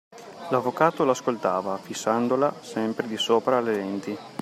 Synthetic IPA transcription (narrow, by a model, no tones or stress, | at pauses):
lavːokaːt̪olaskolt̪aːvafisːand̪olasɛmpɾed̪isoːpɾaːlːed̪ɛnt̪i